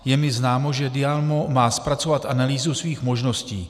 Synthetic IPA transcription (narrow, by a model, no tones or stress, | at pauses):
jɛmɪznaːmo̞ʒɛdɪalmo̞maːspɾat͡so̞vat̪ʔanaliːzusviːxmo̞ʒno̞scḭː